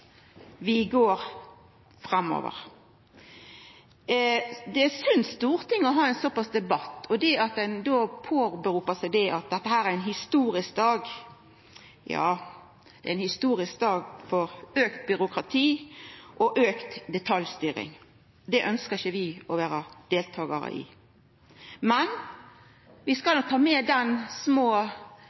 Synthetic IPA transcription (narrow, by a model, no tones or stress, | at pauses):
ʋɪɡoːɾ | fʁɑmːo̰ːʋə̰ʁ | d̪ɛsʏnsst̪uːʁt̪ʰɪŋːɔɦɑːɛɪnsɔpɑsd̪ɛbɑt̪ːɔd̪ɛɑt̪̚d̪ɛnd̪oːpʰoːbəɾuːpəsæɪd̪ɛʔɑt̪̚d̪ɛt̪ːəhæːɾæɾɛɪnɦɪst̪uːɾɪsk̚d̪ɑːɡ | jɑ̰ː | d̪̥ɛ̰ææɪnhɪst̪uːɾɪskd̪ɑːɡfɔʁøːkt̪̚bʏɾʊkʁɑt̪ʰiːʔɔʔøːkt̪d̪ɛt̪ʰɑljst̪yːɾɪ̰ŋ | d̪ɛʔœnskəʁɪçəʋɪɔʋæːɾəd̪̥eːlt̪ʰɑːɡɑ̰ɾə̰ʔɪ̰ | mɛn | ʋɪskɑlɔk̚t̪ʰɑːmɛd̪ɛnsmoː